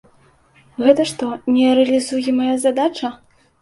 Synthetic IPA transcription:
ɣɛt̪ɐʂt̪ɔnʲɛɾɛɐlʲizujɛmajazad̪at͡ʂɐ

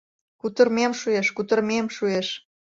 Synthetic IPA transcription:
kut̪ərmemʃueʃkut̪ə̆rmemʃueʃ

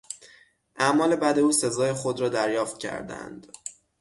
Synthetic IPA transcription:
ʔæmɒːle̞bæd̪e̞uːse̞zɒːjexo̞d̪ɾɒːd̪æɾjɒːft̪̚cʰæ̰ɾd̪æ̰nd̪̥

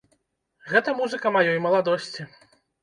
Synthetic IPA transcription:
ɣɛt̪ɐmuzɨkɐmajɔjmɐlˠad̪ɔsʲt͡sʲi

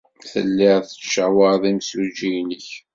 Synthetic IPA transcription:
θəlːɪʁθə̥ʃəwəɾðˤimsud͡ʒijnəç

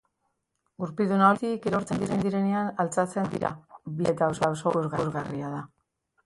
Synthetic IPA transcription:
uɾpiðunaot̪ikeɾoɾt͡se̞nd̪iɾe̞nd̪iɾe̞ne̞analt͡sat͡se̞nd̪ḭɾa̰biet̪aosaosouzɣauzɣariaða

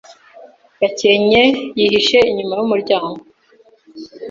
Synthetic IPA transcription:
baceɲejiɦiʃe̞iɲumajumuɾɟaːŋɡo

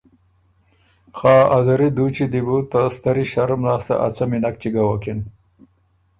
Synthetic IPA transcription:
xaːazɐɾid̪uːt͡ɕid̪ibut̪ast̪ɐɾiɕɐɾmlaːst̪a̰ʔɐ̰t͡sɐminɐk̚t͡ɕiɡawokin

